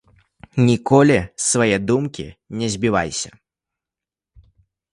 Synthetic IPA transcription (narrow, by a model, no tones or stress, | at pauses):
nʲikɔlʲisvajɛd̪umkʲḭnʲɛzʲbʲiva̰jsʲɐ